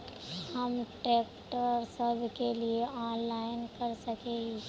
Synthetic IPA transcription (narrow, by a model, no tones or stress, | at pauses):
hɐmʈeːkʈəɾsɐbʱkelieʔɔːnlaːɪnkɐɾsɐkeɡi